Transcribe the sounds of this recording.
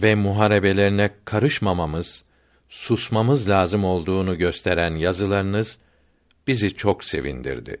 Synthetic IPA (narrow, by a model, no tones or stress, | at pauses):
vɛmuɦaːɾe̞be̞lʲe̞ɾinɛkʰaɾɯʃmamamɯz̥ | susmamɯzlʲaːzɯmo̞lˠd̪uːnuɟø̞st̪ʰeɾænjazɯlˠaɾɯnɯz̥ | b̥izit͡ʃʰo̞kse̞̰vḭnd̪ḭɾd̪ɪ̰